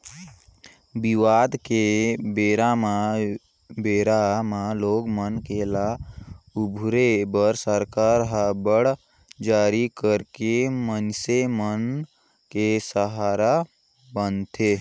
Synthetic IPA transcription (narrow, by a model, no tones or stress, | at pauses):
biʋad̪kebeɾama | beɾamaloɡmənkelaubʱɾebəɾsəɾkaɾɦabəɽ | d͡ʒaːɾikəɾkemənsemən | kesəɦaɾa | bənt̪ʰe